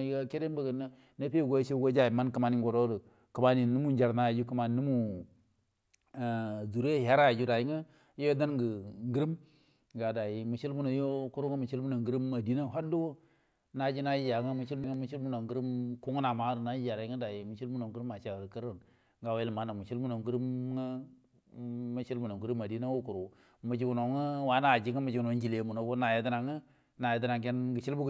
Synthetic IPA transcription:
i˦ɡa˦ke˦de˦n˦bə˨ɡə˨n˦ | na˦pi˦˨ɡo˦t͡ʃe˦ɡo˦d͡ʒa˦i˨ma˦nkə˦ma˦ni˦ɡo˨ɾo˦ɾə˨ | kə˨ma˦ni˨nu˦mu˦n˦d͡ʒa˨ɾna˨d͡ʒu˦kə˦ma˨˦nu˦mu˦˨ | zu˨ɾe˦˨ja˦ɾa˦˨d͡ʒu˦da˨ji˦ŋa˦ | jo˦o˦da˦nɡə˨ŋɡi˦ɾi˦m | ɡa˨da˨i˨mu˨t͡ʃi˦lmu˦no˨jo˦ku˦ɾu˦ŋa˦mu˨t͡ʃi˦lbu˦na˨ŋɡə˦ɾi˦mːa˨di˦na˦˨ɦa˦du˦wo˦ | na˨˦d͡ʒi˦na˦i˦d͡ʒa˨˦ŋə˦mu˦t͡ʃi˦lbu˦ŋə˦mu˦t͡ʃi˦lbu˦no˨ŋɡi˦ɾi˦mku˦ŋ˦na˨ma˦ɾna˨˦i˦d͡ʒa˨ɾa˨˦ŋə˦da˨ji˨mu˨t͡ʃi˦lbu˦no˨ŋɡɾu˦ma˨t͡ʃa˨kə˦ɾə˦˨n | ŋɡa˨we˦˨ma˨˦na˨mu˨t͡ʃi˦lu˦no˨ŋɡu˦ɾi˦mŋə˦ | mə˦t͡ʃi˦lbu˨no˨ŋɡu˦ɾu˦m˦a˨di˦na˦wo˦ku˨ɾu˨ | mu˨d͡ʒi˦ɡu˨no˨˦ŋə˦wa˦na˦˨d͡ʒi˦ŋə˦mu˨d͡ʒi˨ɡu˨no˨˦ŋd͡ʒi˨le˨˦mu˨no˨˦ko˦na˨je˨˦di˦na˨ŋə˦ | na˨je˨di˦na˨ŋke˦nɡə˨t͡ʃi˦lbu˦˨

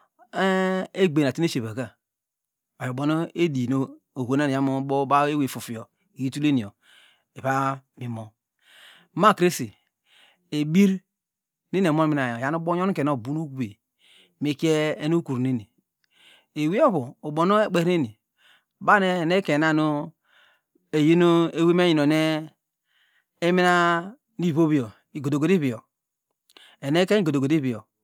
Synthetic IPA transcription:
e˦ɡ͡be˨n˨a˨ti˦e˦ʃe˨βa˨ɡa˦ | a˨jo˨bo˨no˦e˦di˨no˦ | o˨ɡo˨na˦n˨a˦mo˦bo˦ba˦e˦we˨fu˨fi˨jo˨ | e˨ji˦tu˦le˦ni˨o˨ | e˨βa˦mi˨mo˨ | ma˦kɾe˦si˨ | e˨bi˦ɾ | ni˦ne˨mo˦n˦mi˦na˨jo˨ja˦nu˦bo˦ɲo˦ke˨no˦˨bu˦nu˦ɡu˨˦be˨ | me˨ki˦e˦e˦no˦ku˨ɾni˦ni˨ | e˨wi˦o˦βuː˨bo˨no˦e˦k͡pe˨ɾe˦ni˨ | ba˦ne˦˨ne˦ke˨na˦˨no˦ | e˨ji˦no˦e˦we˦me˦ji˨no˨ne˦ | e˦mi˦na˦ | ni˦˨βo˦βi˨o˨ | i˨ɡo˨do˨ɡo˨di˦βi˨o˨ | e˨ne˦ke˦i˦ɡo˨do˨ɡo˨di˦bi˨o˨

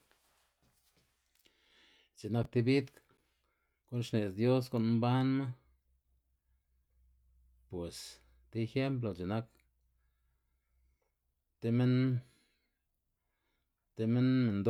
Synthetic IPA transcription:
t͡ʃe˨na˦k̚t̪i˧bi˦d̪k | ku˦nʂne˨sd̪jo˦s̬ko˨ʔn˦mba˦nma˦ | pwe˨s | t̪e˦˧xe˦mp̬lo˨t͡ʃe˨na˦k | t̪e˦me˦n | t̪e˧me˦nme˨nd̪

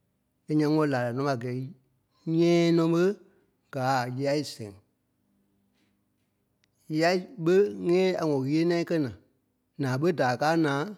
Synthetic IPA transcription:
e˨˦ɲã˧ŋɔ̃˧˦laː˨la˨nɔ̃˦a˨ɡɛː˨i˦ | ɲɛ̃ː˦nɔ̃˧˦ɓə˦ | ɡ̥aː˨˦˨ji˧a˦i˦˨sɛ̃˨ŋ˨ | ji˧˦a˧˦i˦ɓə˦ŋɛ̃ː˦a˨ŋɔ̃˨ɣi˦e˦nã˦ĩ˦kɜ˦nã˨ | nãː˨ɓə˦daː˨kaː˦nãː˨˦

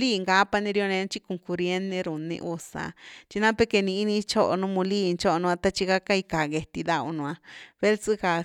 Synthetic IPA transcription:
liː˦˧ŋɡa˦pa˧nĩ˧ɾjo˧nẽ˧n˦t͡ʃi˦ko˨ŋku˧ɾje˦nẽ˧ɾu˨nḭ̃˧ʔu˧sa̰˨t͡ʃi˧nã˦pe˧ke˧nĩ˧i˦nĩ˧t͡ʃo˦ʔo˧nũ˦mũ˧li˦˧nt͡ʃo˦ʔnũ˧a˧t̪a˦˧t͡ʃi˧ɣa˦ka˦i˧ka˨ɡe˧t̪i˧d̪a˧u˧nũ˧ã˧βe˦lt͡sɨ˦ka˨

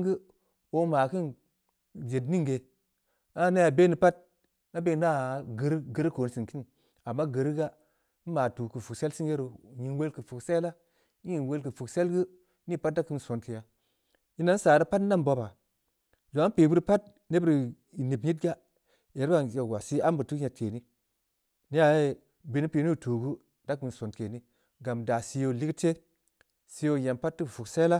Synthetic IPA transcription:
ɡɨ˦ | o˦ma˨kɨ˦n | d͡ʒe˨tni˦ŋɡe˨ | a˦na˦ja˨be˦ni˨pa˦t̚ | na˦be˦na˦˨ɡə˨ɾɡə˨ɾko˨n˦si˨nki˦n˨ | a˨mːa˦ɡə˨ɾi˦ɡa˦ | maː˨tu˨kɨ˨fu˨se˦lsi˦nje˦ɾo˨ɲi˨nwe˦lkɨ˨fu˨kse˦la˦ | ɲi˨nwe˦lkɨ˨fu˨kse˦lɡɨ˦ | ni˦pa˦t̚da˦kɨ˦n˨so˨nti˨ja˨ | i˦na˦n˦saː˨ɾa˦pa˦tna˦mbo˦ba˨ | zo˨a˦pi˨bu˦ɾpa˦t̚ | ne˦bɨ˦ɾ | i˨ni˨pɲi˦t̚ɡa˦ | e˨ɾba˨je˨wa˨si˦a˦mbə˨tu˦ɲa˨tʰe˨ni˦ | ni˦ja˨e˦ | bi˨ni˦pi˨ni˦˨tu˨ɡu˦ | d̥a˦ki˨n˨so˨nke˨ni˦ | ɡa˨mda˨si˧jo˧˨li˦kte˦ | si˧jo˦˨ja˨mpa˦tːi˦˨fu˨kse˦la˦

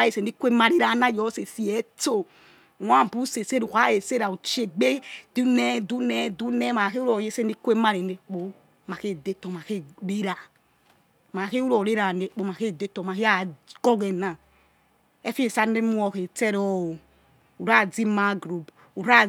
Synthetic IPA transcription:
je˨se˨ni˦kʷe˦ma˦ɾi˦ɾa˨˦na˦˨jɔ˦se˨si˦ɛ˨˦to˦˨ | wa˦˨bu˦se˨se˦ɾu˨ka˦je˨se˦ɾa˨u˨t͡ʃe˨ɡ͡be˦d̥u˦nɛ˦du˦nɛ˦du˦nɛ˦ma˨ke˦u˦ɾo˨je˦se˦n˦i˦kʷe˦ma˦ɾe˨ne˨˦k͡po˨˦ | ma˨ke˦˨de˦tɔ˨ma˨ke˦ɾe˦ɾa˨ | ma˨ke˦u˦ɾo˨ɾe˦ɾa˨ne˨˦k͡po˨˦ma˨ke˦˨de˦tɔ˨ma˨ke˦a˦˨ɡɔ˦ɡe˨na˨ | ɛ˦fi˦e˨sa˦ne˦mu˦ɔ˨ke˨tɛ˦ɾɔ˦o˨ | u˨ɾa˦˨d͡zi˦ma˦ɡɾu˨b | u˨ɾa˦

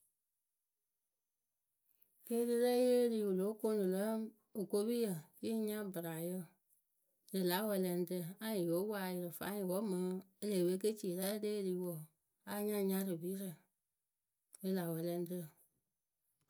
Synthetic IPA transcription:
ke˦dɨ˧ɾɛ˦je˦liː˧˦˧wo˨lo˨˦ko˧˦nɨ̃˨lə˦ | o˨ko˧˦bi˦jə˨ji˦ɲã˦bɨ˨ɾa˨jə˦ | dɨ˨la˨˦wɛ˧lɛ˧n˦tɨ˧˨ã˦ĩ˨jo˨˦waː˨jə˧ɾɨ˨fa̰˨˦ĩ˨wɔ˦mə̃˨e˧le˨be˧˦ke˦t͡ʃi˦˨e˨la˦leː˦˧liː˨˦wɔ˨ | a˨˧˦ɲã˦˧ɲã˧˦ɾɨ˨bi˨˦ɾə˨ | e˧la˨wɛ˧lɛ̃˧n˦tɨ˧˨

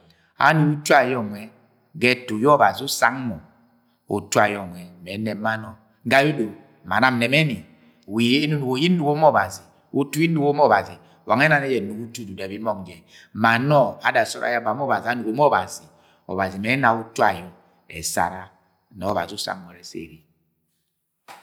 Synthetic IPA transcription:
a̰˦nu˨ku˦tu˦a˨jɔ˦ŋwɛ˨ | ɡɛ˦to˨jɔ˦ba˨zi˨˦u˦sa˦ŋmɔ˨ | o̰˨tu˦a˨jɔ˦˨ŋwɛ˨mɛ˨˦nɛ˨˦ma˦nɔ˦ | ŋ˦ɡa˦jo˦do˨ | ma̰˨na˦m̩˨nɛ˨mɛ˦ni˨ | wi˨˦nu˦nu˨ɡo˨˦ji˦nu˨ɡo˦mɔ˦˨ba˨zi˨ | u˦tu˦i˦nu˨ko˦m˦ɔ˦˨ba˨zi˨wʔa˨ŋɛ˦na˨nɛ˦jɛ˨nu˨ku˦tu˦du˨da˨bi˦mɔ˦ŋ˨d͡ʒɛ˨ | ma˨nɔ˦a̰˨da˨sɔ̰˦ɾa̰˦ja˦ba˨m˦ɔ˦ba˨zi˨a˦nu˨ɡo˨˦m˦ɔ˦˨ba˨zi˨ | ɔ̰˨ba˨zi˨mɛ˨˦na˨u˦tu˦a̰˨jɔ˨ | ɛ̰˨sa̰˨ɾa˦ | nɔ˨ɔ˦ba̰˨zi˨u˦sa̰˦ŋmɔ˨ɾɛ˨sḛ˦˨ɾi˨

